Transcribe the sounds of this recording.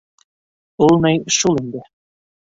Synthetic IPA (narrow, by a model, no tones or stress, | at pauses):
olˠnɤjʃulˠind̪ɘ